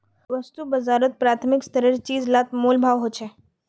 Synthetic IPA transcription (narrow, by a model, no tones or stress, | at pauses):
ʋəst̪ubɐzaːɾət̪̚pɾaːt̪ʰmɪkst̪əɾeɾt͡ʃiːzlat̪moːlbʱaːʋɦot͡ʃʰɛː